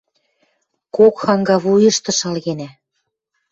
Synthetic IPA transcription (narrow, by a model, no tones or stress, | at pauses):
kokxɑŋɡɑβujə̆ʃt̪ɤ̆ʃɑlɣenæ